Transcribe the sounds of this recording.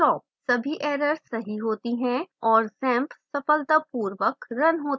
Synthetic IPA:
ʃɔːp̚sɐbʱiʔeːɾəɾsɐɦiɦoːt̪iɦɛ̃ɔːɾsɛ̃ːmpsɐfəlt̪əpuːɾʋəkɾɐnɦoːt̪

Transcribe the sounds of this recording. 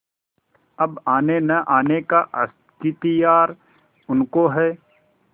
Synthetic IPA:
ɐbaːnenɐʔaːnekaʔɐ̰s | kɪt̪ijaːɾ | ʊnkoɦɛː

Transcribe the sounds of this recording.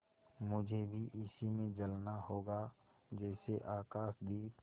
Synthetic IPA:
mʊd͡ʒʱebʱiʔɪsimẽd͡ʒəlnaɦoːɡa | d͡ʒɛːseʔaːkaːʃd̪iː

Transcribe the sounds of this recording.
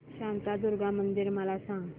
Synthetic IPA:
ɕãnt̪ad̪uɾɡamənd̪iɾməlasãŋɡ

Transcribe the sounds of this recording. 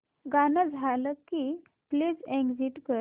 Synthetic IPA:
ɡanəd͡zʱaləkːi | pliːd͡zɛ̃ŋɡd͡ziʈkə

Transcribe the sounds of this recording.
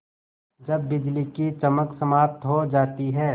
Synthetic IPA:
d͡ʒɐbːɪd͡ʒlikit͡ʃɐməksɐmaːp̚t̪ɦod͡ʒaːt̪iɦɛː

